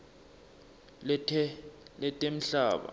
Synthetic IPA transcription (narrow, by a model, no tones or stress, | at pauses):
lɛtʰɛlɛtʼem̩ɬaːɓa̰